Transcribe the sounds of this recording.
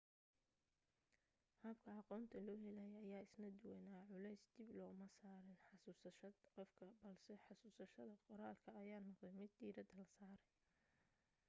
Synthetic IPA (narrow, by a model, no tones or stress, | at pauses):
hɐbkʰɐɑqɔːnt̪ʰɐlɔːɦɛlæjɐɐjaːɪsnɐd̪ʊwɛnaːʕʊlɛjsd̪̥ɪblɔːmɐsaːɾɪnħɑsuːsɐʃɐd̪qɔfkʰɐbɐlsɛħɑsuːsɐʃɐðɐqɔɾaːlkʰɐːjaːnɔqd̪ɛjmɪd̪ːiːɾɐd̪ɐlɐsaːɾɛ